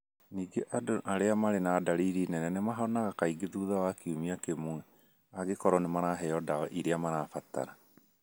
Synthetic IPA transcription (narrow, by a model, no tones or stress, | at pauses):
niːɡɛʔadoʔaɾeamaɾenaːdaɾiɾiːnɛnɛnɛmaɦɔnaɣakaiɡeðuːðawakiumiakemuɛ | aɡekɔɾɔnemaɾaɦɛjɔdaɣɔʔiɾeamaɾaːfat̪a̰ɾa